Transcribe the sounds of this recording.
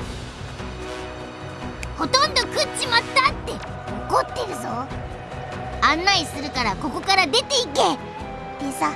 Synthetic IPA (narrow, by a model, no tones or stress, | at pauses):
ho̞t̪õ̞nd̪o̞kɯ̟t͡ɕːimast̪at̪ːe̞ | okot̪ːe̞ɾɯ̟zo̞ | ãnːaisɨɾɯ̟kaɾako̞ko̞kaɾad̪e̞t̪e̞ike | t̪esa